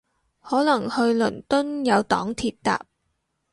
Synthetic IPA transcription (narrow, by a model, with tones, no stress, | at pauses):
hɔː˨˥lɐ˨˩ŋhɵ˧ɥlɵ˨˩nt̪ɵ˥njɐ˨˧wt̪ɔ̰ː˨˥ŋt̪ʰiː˧t̚t̪a̰ː˨p̚